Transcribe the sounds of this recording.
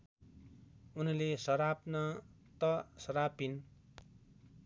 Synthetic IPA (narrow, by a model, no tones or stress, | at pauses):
unlesʌɾapnʌ | t̪ʌsʌɾapin